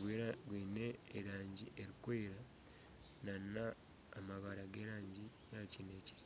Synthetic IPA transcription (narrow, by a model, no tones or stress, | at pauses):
ɡweɾaɡwiːne̞ːɾaːɲɟiʔeɾikweːɾa | nanaː | maβaɾaɡeɾaːɲɟi | jacineci̥ɾ